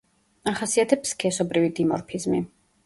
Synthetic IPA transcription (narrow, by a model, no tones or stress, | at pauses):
aχasiat̪ʰɛpskʰɛsɔbɾivid̪imɔ̰ɾpʰizmi